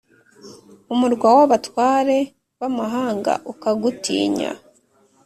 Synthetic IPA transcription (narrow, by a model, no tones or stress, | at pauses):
umuɾɡwawaβatwaːɾe̞ | βamaɦaːŋɡa̰ʔukaɡutḭːɲa̰